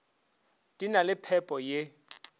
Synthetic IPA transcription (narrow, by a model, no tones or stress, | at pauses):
dʼinalɪpʰɛpʼɔje